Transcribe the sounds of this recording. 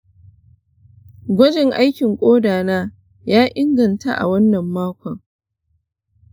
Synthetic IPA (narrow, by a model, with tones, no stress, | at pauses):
ɡʷɐ˦d͡ʒɪ˨ŋʔa˦jkʲɪ˨ŋkʷʼoː˦daː˨naː˦ | jaː˦ʔɪ˦ŋɡɐ˨nta̰˦ʔa̰˨wɐ˦nːɐ˨mːaː˦kʷɐ˨ŋ